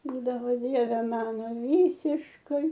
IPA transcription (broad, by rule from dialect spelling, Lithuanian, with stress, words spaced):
ˈbuːdɐʋoː ˈdʲiɛʋʲɛ ˈmɑːnoː ˈʋʲiːsʲɪʃkɐɪ